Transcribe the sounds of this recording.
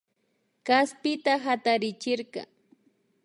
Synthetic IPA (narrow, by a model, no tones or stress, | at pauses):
kaspɪt̪aɦat̪aɾɪt͡ʃɪɾkɑ̰